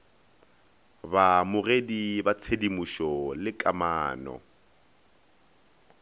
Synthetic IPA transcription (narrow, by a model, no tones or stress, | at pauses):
bamʊredibat͡sʰedimuʃɔlɪkʼamaːnɔ̰